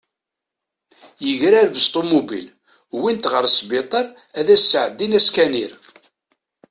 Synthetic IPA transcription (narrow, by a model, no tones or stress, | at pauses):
jəʝɾæɾvəst̪ˤomubḭl | wint̪ʁəɾsbɪt̪ˤəɾˤ | æðæsːəʕəd̪ːinæskæniɾ